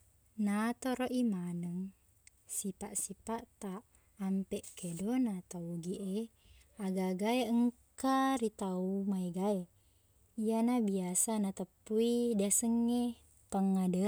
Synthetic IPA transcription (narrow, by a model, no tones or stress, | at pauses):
nat̪oɾoʔimanəŋ | sipaʔsipaʔt̪aʔː | mpɛʔkedonat̪auɡiʔe | aɡaɡaeəŋkaɾit̪aumaiɡae | ijanabiasanat̪əpːuidasəŋːe | paŋːadə